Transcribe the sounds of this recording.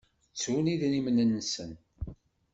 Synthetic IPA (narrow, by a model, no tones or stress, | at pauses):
t͡sːuniðnimnənːsən